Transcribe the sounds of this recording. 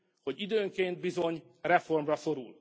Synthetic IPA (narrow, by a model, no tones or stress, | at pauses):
ho̞ɟid̪øːŋkeːnt̪̚bizo̞ɲ | rɛfo̞rmrɒso̞ɾṵl